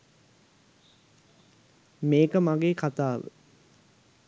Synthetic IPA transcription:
meːkəmaɡeːkʰat̪aːʋə̰

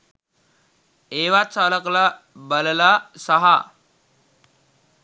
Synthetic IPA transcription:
eːʋat̪saləkla | bələlasəɦa

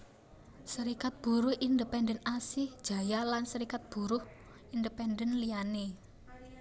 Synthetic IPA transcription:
səɾikat̪̚b̥ṳɾʊhʔind̪əpɛndənasɪhd̥ʒ̥a̤jalansəɾikat̪̚b̥ṳɾʊh | indəpɛndənlijane

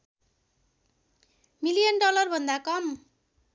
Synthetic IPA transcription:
milijʌnɖʌlʌrbʱʌnd̪akʌm

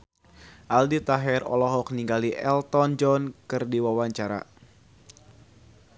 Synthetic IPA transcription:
ʔaldit̪aɦɛrɔ̰lɔɦɔk̚niŋɡaliʔɛ̰lt̪ɔnd͡ʒɔnkɨrdiwawaɲt͡ʃaɾa̰

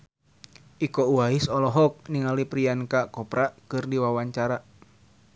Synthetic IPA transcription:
ʔikɔuaisɔlɔɦɔk̚niŋalipɾiankakɔpɾakɨrdiwawaɲt͡ʃaɾa

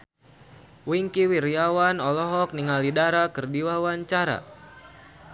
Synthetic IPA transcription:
wiŋkiwiɾiawanɔlɔɦɔk̚niŋalidaɾakɨrdiwawaɲt͡ʃaɾa̰

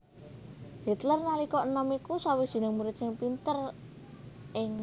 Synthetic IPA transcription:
hit̪lərnalikɔʔnəmikusawid̪̥i̤nɪŋmuɾɪt̪sɪŋpint̪ər | ʔɪŋ

